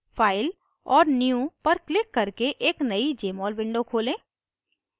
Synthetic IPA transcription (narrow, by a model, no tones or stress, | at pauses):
fʰaːɪl | ɔːɾnjũpɐɾklɪkːɐɾkeʔeːknɐid͡ʒeːmɔːlbɪ̃ɳɖokʰoːlẽː